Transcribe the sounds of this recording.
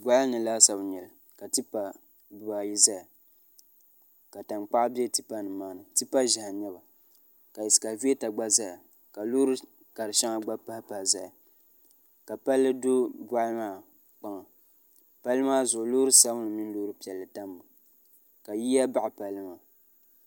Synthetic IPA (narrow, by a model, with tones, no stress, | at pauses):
bʷa˦nɨ˨laː˦sa˨bɲɛ˨l | ka˨tɨ˦pa˨ | bɨ˨ba˨ji˦za˦ja˨ | ka˨ta˨nk͡pa˦ʔbi˦ɛ˦ti˦pa˦nɨ˨maː˦nɨ˨tɨ˦pa˦ʒɪ˨ha˨ɲɛ˦ba˨ | ka˨jɛ˨sɨ̥˨ka˨vi˦e˦ta˨ɡ͡ba˦za˦ja˨ | ka˨lo˦ɾɨ˦ | ka˨ɾɨ˨ʃa˦ŋa˨ɡ͡ba˦pa˦hpa˨hza˨ja˨ | ka˨pa˦lːɨ˦dʊ˦bʷa˦ʔmaː˦˨ | k͡pa˦ŋa˨ | pa˦lɨ˦maː˦zʊ˨ʔʊ˨lʊː˦ɾɨ˦sa˦bnɨ˨mɪ˦n˦lo˦ɾɨ˦pi˨ɛ˨lːɨ˨ta˦mbʊ˨ | ka˨ji˦ja˦ba˦ʔa˨pa˨lːɨ˦ma˨